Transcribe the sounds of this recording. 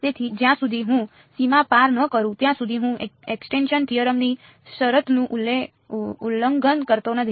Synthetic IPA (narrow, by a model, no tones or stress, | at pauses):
t̪et̪ʰid͡ʒjãsud̪ʱiɦũ | simapaɾnəkəɾũt̪jãsud̪ʱiɦũeksʈenʃənt̪ʰijəɾəmni | ʃəɾət̪nũʔle | ulːəŋɡənkəɾt̪onəd̪ʱ